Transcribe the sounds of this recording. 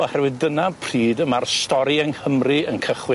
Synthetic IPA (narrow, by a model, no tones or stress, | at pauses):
ɔhɛrwɪðdənapʰr̥iːdəmarstɔɾiənhəmrɨənkʰəχwɪ